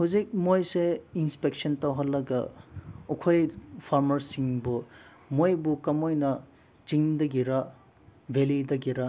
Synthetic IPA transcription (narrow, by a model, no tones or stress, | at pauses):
huzik̚mojseinspek̚sɐntɐwɦɐlːɐɡɐ̰ukʰojpʰaɾmɐɾsiŋbu | mojbukɐmojnɐ | t͡ʃiŋdɐɡiɾa | bʱelidɐɡiɾa